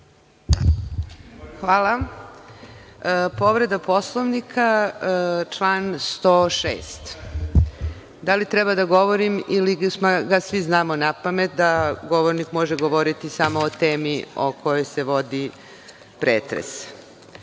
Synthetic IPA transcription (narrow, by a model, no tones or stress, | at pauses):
xʋaːla | po̞ʋɾe̞d̪apo̞slˠoʋnikʰa | t͡ʃlaːnst̪oːʃḛːst̪ | d̪alit̪ɾɛbad̪aɡo̞ʋoɾimilimaɡasʋiznaːmonapame̞t̪̚d̪aɡo̞ʋoɾnikmo̞ʒeɡo̞ʋoɾit̪isamoːt̪eːmio̞̰kʰo̞jo̞jse̞ʋo̞d̪i | pɾeːt̪ɾḛs